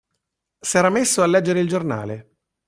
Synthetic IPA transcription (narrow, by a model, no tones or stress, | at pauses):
sɛːɾamesːoalːɛd͡ʒːeɾeild͡ʒorna̰ːle